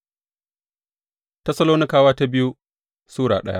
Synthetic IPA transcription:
tɐ˦sɐ˦loː˦nɪ˦kaː˨waː˦ta˦bɪ˦ju˦ | suː˦ɽa̰ː˨ɗɐ˦ja̰˦

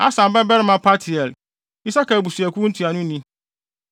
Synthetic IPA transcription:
a̰˦sã˨m˨bɛ˦bɛ˦ɾɪ˦mã˨˦pʰa˦tʰɪ˨ɛ˨l | i˦sa˦ka˨bu˨su˨ɛ˨kʰu˦n̩˦tʰi˨a˨nʊ̃˦nĩ˦

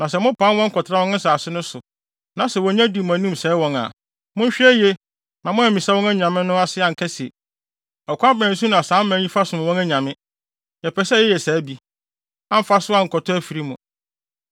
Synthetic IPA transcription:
nã˨s̬ɛ˨mʊ̃˦pʰã˨˦wɔ̃˦ŋ̩˦kʰɔ˨tʰɪ˦a˦wɔ̃˦ñ˦n̩˦saː˨sɪ˦nʊ̃˦sʊ˨ | nã˨sɛ˨wɔ̃˨ɲã˦di˨m˨æ̃˨nĩ˦msɛ˨˦wɔ̃˦na̰˨ | mʊ̃˦ɲ̩˦ɕᶣɛ˦je˦ | nã˨mʊ̃˦æ˨mĩ˨sa˦wɔ̃˦næ˦ɲã˨mɪ̃˦nʊ̃˦a˦sɪ˦a˨ŋ̩˨kʰɛ˦si˨e˨ | ɔ˨kʷʰɔ˦a˦bæ̃˨n̩˦sũ˦nʊ̃˨a˨sãː˨˦m̩˦mæ̃˨˦ɲĩ˦fa˦sʊ̃˨m˨wɔ̃˦næ˦ɲã˨mɪ̃˦ | jɛ˨pʰɛ˨sɛ˦ɛ˦jɛ˨sɛː˨˦bi˨ | ã˦m̩˦fa˦sʊ˦a˦˨ŋ̩˨kʰɔ˨tʰɔ˦æ˦fi˨ɾi˦mũ˨

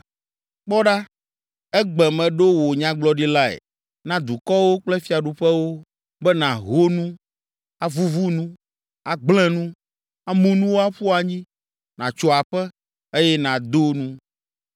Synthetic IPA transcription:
k͡pɔ˦ɖa˦ | ɛ˦ɡ͡bɛ˨mɛ̃˨ɖo˦wo˨ɲã˦ɡ͡blɔ˦ɖi˦la˦ɛ̰˨ | nã˦d̪u˨kɔ˦wo˦k͡plɛ˦fi˦a˨ɖu˨ɸɛ˦wo˦ | bɛ˦nã˨ɦo˦nũ˦ | a˨vu˦vu˦nũ˦ | a˨ɡ͡bl̃ɛ̃˦nũ˦ | a˨mũ˨nũ˦wo˦a˦ɸu˦a˨ɲĩ˦ | nã̰˨t͡ʃɔ˨a˨ɸɛ˦ | e˦jɛ˦nã˨d̪o˦nũ˦

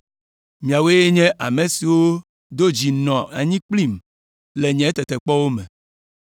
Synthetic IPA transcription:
mĩ˨a˨we˦je˦ɲɛ̃˦ʔa˨me˨si˨wo˦ | d̪o˦d͡ʑi˨nɔ̃˨a˨ɲĩ˦k͡pli˦˨m | le˨ɲɛ̃˨˦t̪ɛ˨t̪ɛ˨k͡pɔ˦wo˦mɛ̃˨

